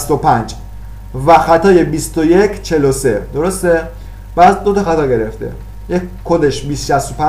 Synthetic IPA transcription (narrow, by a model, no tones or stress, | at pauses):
st̪opʰænd͡ʒ | væxæt̪ʰɒːje̞bist̪oje̞kʰt͡ʃʰe̞losed̪o̞ɾo̞st̪e̞ | b̥æːd̪d̪o̞t̪ɒxæt̪ɒːɟe̞ɾeft̪ḛ | jekʰːod̪e̞ʃbiːst̪ʃæst̪o̞pæ